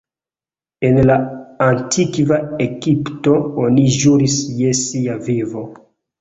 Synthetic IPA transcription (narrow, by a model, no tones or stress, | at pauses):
e̞nlaantʰikvaeɡipto̞oniʒuɾisje̞siavivo̞